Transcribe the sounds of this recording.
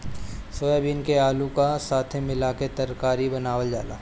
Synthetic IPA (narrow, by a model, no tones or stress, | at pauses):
sojabiːnkeaːlukasaːt̪ʰẽmɪlaket̪ɐɾkaːɾibɐnaːʋəld͡ʒaːla̰ː